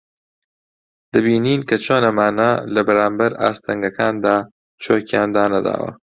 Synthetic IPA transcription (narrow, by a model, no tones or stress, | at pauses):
d̪̥ɐbiːniːnkɐt͡ʃʰoːnɐmaːnɐlɐbɐɾaːmbɐɾa̰ːst̪ʰɐŋɡɐkʰaːnd̪aː | t͡ʃʰoːkjaːnd̪aːnɐd̪a̰ːwɐ̰